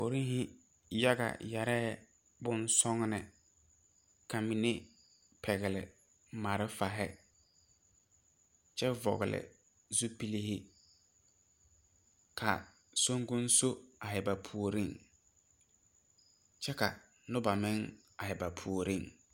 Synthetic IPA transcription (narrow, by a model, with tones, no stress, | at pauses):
po˨ɾi˦ŋ˦hɪ˦ | ja˦ɡa̰˨jɛ˨ɾɛ˦ | bʊ˦nsɔ˦ŋnɪ˨ | kʰa˨mi˨ne˦ | pʰɛ˨ɣɪ˨lɪ̰˨ | ma˨ɾɪ˦fa˨ɦɪ˦ | t͡ʃɛ˦vɔ̰˨ɣɪ̰˨lɪ̰˨ | zu˦pi˦li˦hɪ˦ | kʰa˨ | so˦ŋɡʊ˦n˦so˦a˨ɦɛ˨ba˨pʰu˨o˨ɾi˦˨ŋ | t͡ʃɛ˦ka̰˨ | nʊ˦ba˨mɪ˦ŋ | a˨hɪ˨ba˨pʰu˨o˨ɾi˦˨ŋ